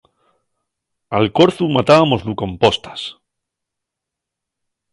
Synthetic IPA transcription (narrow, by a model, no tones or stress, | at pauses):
alko̞ɾθumat̪aβamo̞zluko̞mpo̞st̪ḁs